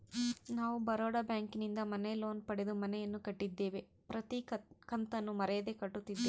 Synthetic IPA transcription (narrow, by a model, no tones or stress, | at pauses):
naːʋubɐɾoːɽɐbjaːŋkinind̪ɐmɐneloːnpɐɽed̪umɐnɛjɐnːukɐʈːid̪ːe̞ːʋe̞ | pɾɐt̪ikɐnt̪ɐnːumɐɾɛjɐd̪e̞kɐʈːut̪ːid̪ːe